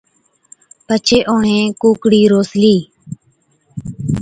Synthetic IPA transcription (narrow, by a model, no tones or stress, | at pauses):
pət͡ʃʰeːʔoːɳẽːkuːkɽiːɾoːsliː